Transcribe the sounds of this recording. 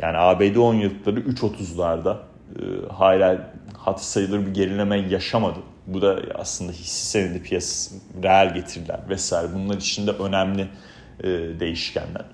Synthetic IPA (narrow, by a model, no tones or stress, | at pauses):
jʔa̰ːniaːbed̪io̞njɯlˠkʰlˠaɾɯʔyt͡ʃʰo̞t̪ʰuzlˠaɾd̪a | ɯ̰haːlʲaːhat̪ʰɯ̥sajɯlˠɯɾbiɟe̞lʲilʲe̞mɛjaʃamad̪ɯ | bud̪aa̰slˠɯnd̪aɦisi̥se̞ned̪ʲipʰijasḁɾealʲɟe̞t̪ʰiɾilʲæ̰ɾvɛsaːjɾɛbunlˠaɾit͡ʃʰind̪ɛʔø̞næmlʲiː | d̪e̞jiʃcʰæ̰nlʲæ̰ɾ̥